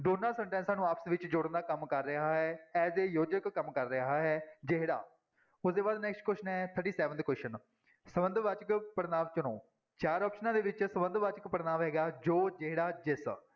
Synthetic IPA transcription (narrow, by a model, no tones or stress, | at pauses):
ɖoːnaːlsəɳʈɛ̃ːnsaːnũːaːpʰə̥sʋɪt͡ʃd͡ʒʊɽənd̪aːkəmkəɾːəɦaːɦɛːɛːseːjoːd͡ʒəkkːəmkəɾːəɦaːɦɛːd͡ʒeɦɽa̰ː | ʊsd̪eːbaːd̪nɛːksʈ̚kwɛːʃənɦɛːt̪ʰəʈiːsɛːʋə̃nd̪kwɛːʃən | səbənd̪ʋaːt͡ʃəkpəɾnaːʋt͡ʃʊnõ̰ː | t͡ʃaːɾɔːpʃənãːd̪eːʋɪt͡ʃsəbənd̪ʋaːt͡ʃəkpəɾnaːʋɦɛːɡaːd͡ʒoːd͡ʒeɦɽaːd͡ʒɪs